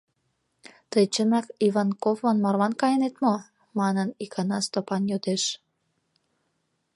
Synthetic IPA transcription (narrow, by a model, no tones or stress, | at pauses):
t̪əjt͡ɕənɑkiβɑnkovonmɑrlɑnkɑjənet̪mo | mɑnənikʰɑnɑst̪opɑnjod̪eʃ